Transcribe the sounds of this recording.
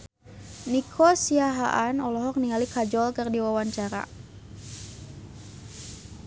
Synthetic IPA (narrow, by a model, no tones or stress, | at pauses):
nikʰɔsiaɦaʔanɔlɔɦɔk̚niŋalikad͡ʒɔlkərdiwawaɲt͡ʃaɾa̰